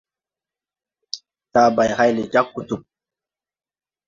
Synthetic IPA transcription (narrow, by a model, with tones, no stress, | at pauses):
ta˨ba˨jha˦jle˨d͡ʒa˦kːu˨tu˨p̚